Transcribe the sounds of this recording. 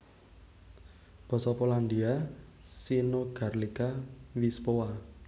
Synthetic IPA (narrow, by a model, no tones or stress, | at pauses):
b̥ɔ̤sɔpoland̪ia | sinoɡ̥arlikawispowa